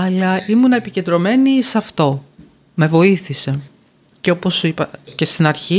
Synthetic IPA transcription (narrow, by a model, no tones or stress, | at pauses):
ɐlɐʔimunɐe̞pice̞nd̪ɾo̞me̞nisɐft̪o̞ | me̞vo̞iθise̞ | ceo̞posipɐce̞st̪inɐɾçi